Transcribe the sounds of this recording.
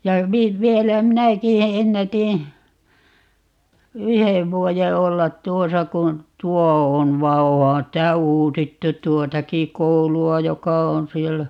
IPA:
jɑ ʋi ʋielæ minæki e enːætĩː yheʋ ʋuoje olːɑt tuosɑ kun tuo on ʋɑ ohɑn sitæ uːsitːut tuotɑki kouluɑ jokɑ on̞ sielːæ

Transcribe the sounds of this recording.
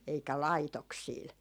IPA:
eikæ lɑitoksiːl

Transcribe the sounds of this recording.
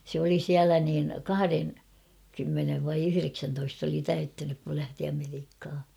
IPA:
sĕ oli siælæ niːn kɑhɑreŋkymːeneʋ ʋɑi yhyreksæntoist oli tæytːænyk kul læhti ɑmeriːkhɑ

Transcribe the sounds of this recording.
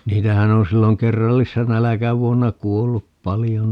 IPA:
niːtæhæn on silːoŋ kerːɑlːisːɑ nælækæʋuonːɑ kuolːup pɑlijo

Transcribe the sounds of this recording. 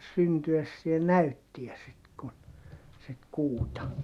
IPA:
syntyesːiɛ næytːiæ sit kun sit kuːtɑ

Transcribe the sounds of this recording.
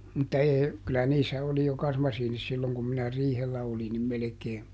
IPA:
mutːɑ eː kylæ niːsːæ oli jo kɑsmɑsiːnis silːoŋ kum minæ riːhelːæ oli nim melekeː

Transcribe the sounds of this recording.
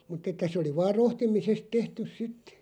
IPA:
mutˑ etːæ se oli ʋɑːr rohtimisest tehtys sit

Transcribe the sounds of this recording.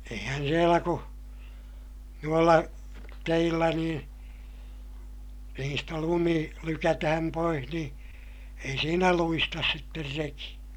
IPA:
eihæn sielæ ku nuolːɑ teilːæ niːn niːstæ lumi lykætæhæm poih nĩː ei siːnæ luistɑs sitːer reki

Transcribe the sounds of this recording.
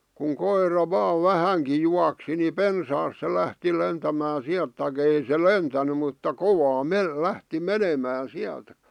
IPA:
kuŋ koirˑɑ ʋɑː ʋæhæŋki juɑksi ni pensɑːs se læhti lentæmæː siælt tɑik ei se lentæny mutːɑ koʋɑː me læhti menemæː siæltæ̥

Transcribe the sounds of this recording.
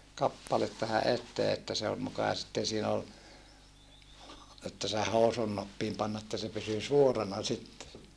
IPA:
kɑpːɑlet tæhæ ʔetːeː etːæ se ol mukɑˑ sitːen siːn ol etːæ se housunːupːiːm pɑn etːæ se pysy suorɑnɑ sitːe

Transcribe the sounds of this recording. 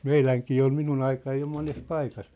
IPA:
meilæŋkiː ol minun ɑikɑj jo mones pɑikɑs

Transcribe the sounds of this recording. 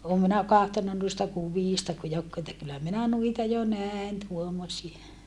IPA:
oːm minæ kɑhtonːɑ nuistɑ kuʋiːstɑ ku jokːuː etːæ kylːæ minæ nuitɑ jo næˑen tuomːosie

